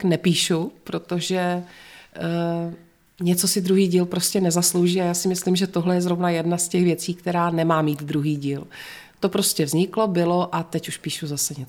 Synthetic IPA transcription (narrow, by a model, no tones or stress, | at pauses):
knɛpiːʃupɾo̞t̪o̞ʒɛ | ɲɛt͡so̞sɪd̪ɾuɦiːɟiːlpɾo̞scɛnɛzaslo̞wʒiːajaːsɪmɪslɪmʒɛt̪oɦlɛjɛzɾo̞vnajɛdnascɛxvjɛt͡siːk̚t̪ɛɾaːnɛmaːmiːt̪d̪ɾuɦiːɟiːl | t̪o̞pɾo̞scɛvzɲɪklo̞bɪlo̞ʔat̪ɛcuʃpiːʃuzasɛɲɛt͡so